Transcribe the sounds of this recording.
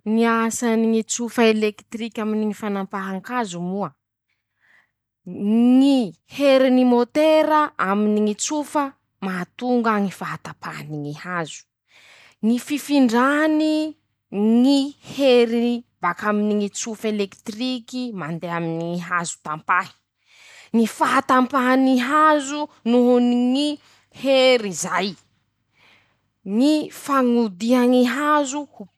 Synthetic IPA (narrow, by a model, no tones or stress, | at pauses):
ŋiasaniŋit͡sufəelekt̪rikʲaminiŋifanampaɦaŋkazumuə | ŋi | heɾinimot̪eɾəʔaminiŋit͡sufə | maat̪uŋɡaŋifaɦat̪apʰaɦniŋihazu̥ | ŋififiɳɖ͡ʐani | ŋiheɾibakaminiŋit͡sufelekt̪rikimand̪eaminiiɦazu̥t̪ampahi̥ | ŋifaɦat̪ampaɦaniɦazunuɦuniŋi | heɾizaj | ŋifaŋud̪iaŋiɦazu